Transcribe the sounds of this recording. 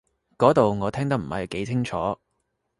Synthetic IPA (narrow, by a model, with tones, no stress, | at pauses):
kɔː˨˥t̪o˨wŋɔː˨˧t̪ʰɛː˥ŋt̪ɐ˥m̩˨˩ɐ̰˨jke˨˥jt͡sʰɪ˥ŋt͡ʃʰɔː˨˥